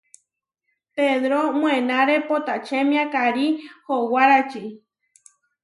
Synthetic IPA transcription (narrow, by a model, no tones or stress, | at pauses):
peðɾomw̃enaɾepot̪at͡ʃemĩakaɾihowaɾat͡ʃi